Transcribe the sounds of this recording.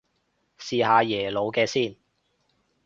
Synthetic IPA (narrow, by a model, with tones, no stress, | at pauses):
siː˨˧haː˨˧jɛː˨˩lo˨˧wkɛː˧siː˥˩n